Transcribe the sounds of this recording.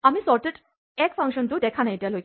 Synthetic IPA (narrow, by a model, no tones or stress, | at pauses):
amisɔɾʈeʈ | ɛkfʰãŋkɕɔnt̪ud̪ɛkʰanajʈalo